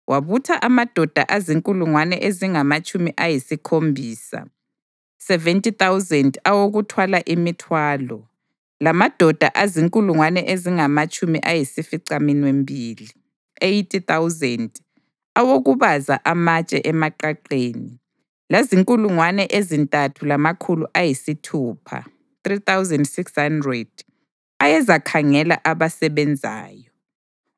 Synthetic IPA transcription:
wʔaβutʰaʔamad̥ʱɔd̥ʱa̰ʔaziŋkʼuluŋwanɛʔeziŋamat͡ʃʼumiʔajisikʰombʱiːsa̰ | sɛvɛntʼiθawzɛndawoɣutʰwalaʔimitʰwaːlɔ | lamad̥ʱɔd̥ʱaʔaziŋkʼuluŋwanɛʔeziŋamat͡ʃʼumiʔajisifiǀaminwembʱiːli | ejtʰʼiθawzɛnd | awoɣuβazaʔamat͡ʃʼɛ̰ʔɛmaǃaǃeːni | laziŋkʼuluŋwanɛʔezintʼatʰulamakʰuluʔajisitʰuːpʰa̰ | θriθawzɛndsikshandrɛd̥̚ | ajɛzakʰaŋɛla̰ʔaβasɛβɛnd͡zʱa̰ːjɔ

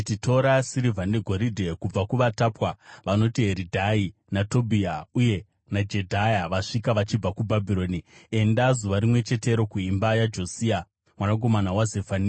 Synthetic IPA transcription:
t͡ʃitʰo̞ɾasiɾivʱandeɡʱo̞ɾidʱe̞kub͡vakuʋataːpwaʋano̞tiɦe̞ɾidʱai | nato̞bʱiauje̞ | nad͡ʒe̞dʱajaʋaʂikaʋat͡ʃib͡vakubʱabʱiɾo̞nie̞ndazuʋaɾimwe̞t͡ʃe̞te̞ɾo̞kuimbajad͡ʒo̞siːa | mwanak̬o̞manawazefani

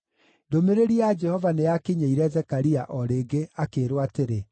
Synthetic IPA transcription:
domeɾeɾiad͡ʒɛhɔvaneakeɲeiɾɛzɛkaɾiaʔɔɾeːɡeakeːɾowateɾe

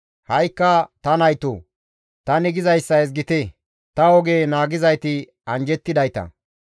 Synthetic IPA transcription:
hɐjkːɐt̪ɐnɐjt̪o̰ː | t̪ɐnɪɡɪzɐjsːɐɛs̬ɡɪt̪ɛ | t̪ɐɔɡeːnaːɡɪzɐjt̪ɪ | ɐnd͡ʒɛt̪ːɪd̪ɐjt̪ɐ̰

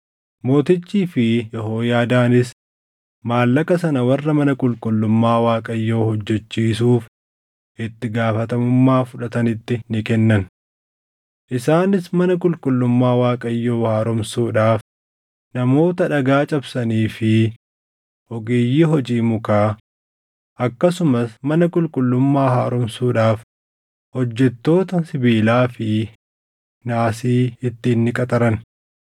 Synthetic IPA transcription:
mo̞ːt̪ɪt͡ʃːiːfɪjɛɦoːjaːd̪aːnɪs | maːlːɐkɐsɐnɐwɐrːɐmɐnɐkʼʊlkʼʊlːʊmːaːwaːkʼɐjːo̞ːhɔd͡ʒːɛt͡ʃːiːsuːf | ʔɪt̪ːɪɡaːfɐt̪ɐmʊmːaːfʊᶑɐt̪ɐnɪt̪ːɪnɪkɛnːɐn | ʔɪsaːnɪsmɐnɐkʼʊlkʼʊlːʊmːaːwaːkʼɐjːo̞ːhaːɾɔmsuːᶑaːf | nɐmo̞ːt̪ɐᶑɐɡaːt͡ʃʼɐbsɐniːfɪ | ʔɔɡeːjːiːɦɔd͡ʒiːmʊkaː | ʔɐkːɐsʊmɐsmɐnɐkʼʊlkʼʊlːʊmːaːha̰ːɾʊmsuːᶑaːf | hɔd͡ʒːɛt̪ːo̞ːt̪ɐsɪbiːlaːfɪ | naːsiːɪt̪ːɪːnːɪkʼɐt̪ʼɐɾɐn

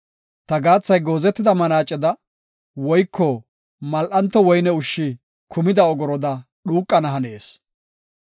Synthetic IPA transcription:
t̪ɐɡaːt͡sːɐjɡo̞ːzɛt̪ːɪd̪ɐmɐnaːt͡ʃʼːɛd̪ɐ | wɔjkʰːɔ | mɐlʔɐnt̪ːɔwɔjnɛʊʃːɪ | kʰʊmɪd̪ɐɔɡɔɾɔd̪ɐ | ɗuːkʼːɐnɐɦɐneːs

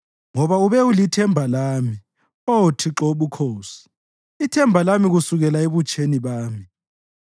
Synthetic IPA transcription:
ŋɔβauβɛulitʰɛmbʱalaːmi | otʰiǁoβukʰoːsi̥ | itʰɛmbʱalamiɣusuɣɛlaeβut͡ʃʼʰeniβaːmi

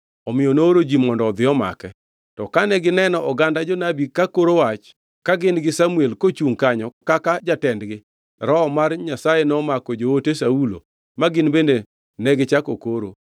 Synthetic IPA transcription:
ɔmɪjɔnooɾod͡ʒimɔndɔːd̪ɪɔma̰kɛ | tɔkanɛɡɪnɛnɔʔɔɡandad͡ʒɔnabikakoɾowat͡ʃ | kaɡɪnɡɪsamuelkot͡ʃuŋkaɲɔkakad͡ʒatɛndɡɪ | ɾɔmarɲasajenɔmakɔd͡ʒootesaulo̰ | maɡɪnbende | nɛɡɪt͡ʃakokoɾo̰

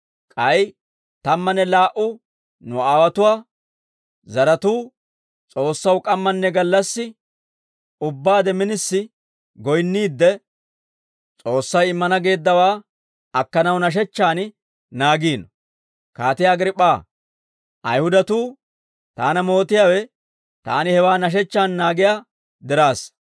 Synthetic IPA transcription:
kʼɐj | t̪ɐmːɐnːɛlaːʔʊ | nʊaːwɐt̪ʊwaː | zɐɾɐt̪uː | t͡sʼo̞ːsːɐwkʼɐmːɐnːɛɡɐlːɐsːɪ | ʊbːaːd̪ɛmɪnɪsːɪ | ɡɔjnːiːd̪ːɛ | t͡sʼo̞ːsːɐjɪmːɐnɐɡe̞ːd̪ːɐwaː | ɐkːɐnɐwnɐʃ̬ɛt͡ʃːaːn | naːɡiːnɔ | kaːt̪ɪjaːɡɾɪpʼːaː | ʔɐ̰jhʊd̪ɐt̪uː | t̪aːnɐmo̞ːt̪ɪjaːwɛ | t̪a̰ːnɪhɛwaːnɐʃ̬ɛt͡ʃːaːnnaːɡɪjaː | d̪ɪɾaːs

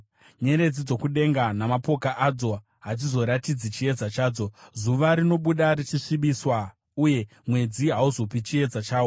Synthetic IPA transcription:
ɲe̞ɾe̞d͡zid͡zo̞kuɗe̞ŋɡanamapo̞kaʔad͡zo̞ | ɦat͡sizo̞ɾatid͡zit͡ʃie̞d͡zat͡ʃaːd͡zo̞zuʋaɾino̞ɓuɗaɾit͡ʃiʂiɓiswa | uje̞ | mwe̞d͡ziɦauzo̞pit͡ʃie̞d͡zat͡ʃaːwo

